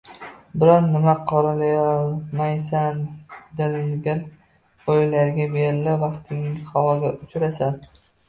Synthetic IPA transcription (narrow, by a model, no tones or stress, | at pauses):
bɪɾɒnːɪmaqʰɒɾalajɒlˠmajsand̪ɪlɡʲan | ojlaɾɡʲabeɾɪlavɑqt̪ʰɪŋhɒwɒɡʲaʊt͡ʃɾasan